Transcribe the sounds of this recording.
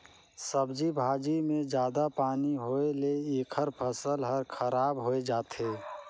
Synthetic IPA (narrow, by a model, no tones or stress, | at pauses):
səbd͡ʒibʱaːd͡ʒimẽd͡ʒjaːd̪apaːniɦoeleeːkʰəɾpʰəsəlɦəɾkʰəɾaːbɦoed͡ʒaːt̪ɦeː